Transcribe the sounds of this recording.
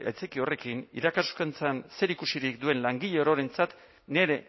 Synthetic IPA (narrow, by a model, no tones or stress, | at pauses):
a̰jt͡sekiore̞kinḭɾakasukent͡sanse̞ɾikusiɾikd̪ue̞nlaŋɡiʎeoɾoɾe̞nt͡sat̪ | ne̞ɾe̞